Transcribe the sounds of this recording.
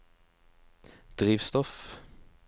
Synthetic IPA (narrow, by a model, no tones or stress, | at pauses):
d̪̥ʁiːʋst̪ɔf